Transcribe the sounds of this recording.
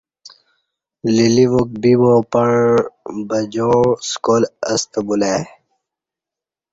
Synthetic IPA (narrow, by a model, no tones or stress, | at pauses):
liliʋok̚biwõːpɐɳbɐd͡ʑõskoːlɐst̪bulaː